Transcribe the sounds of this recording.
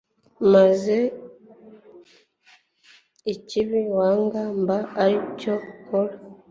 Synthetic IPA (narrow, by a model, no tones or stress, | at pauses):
maze | iciβiwaːŋɡaːmbaaɾicokoɾa